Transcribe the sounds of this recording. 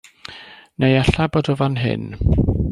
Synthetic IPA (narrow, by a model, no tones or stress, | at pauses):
nejaɬabɔdɔvanɦɪ̰n